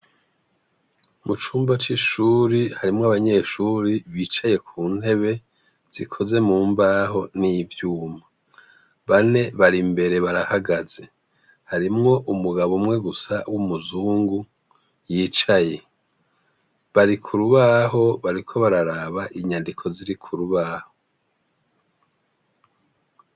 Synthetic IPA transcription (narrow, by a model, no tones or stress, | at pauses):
mut͡ʃuːmbat͡ʃiʃuːɾihaɾimŋoaβaɲe̞ʃuːɾiβiːt͡ʃaje̞kʰuːn̥he̞βe̞ | z̥ikʰo̞ze̞muːmbaːɦo̞nivjuːma | βane̞βaɾimbe̞ɾe̞βaɾahaɡaz̥e̞ | haɾimŋo̞ʔumuɡaβomŋe̞ɡusawumuzuːŋɡu | jiːt͡ʃaje̞ | βaɾikʰuɾuβaɦo̞βaɾikʰo̞βaɾaɾaːβaʔiɲandikʰo̞ziɾikʰuɾuβaːho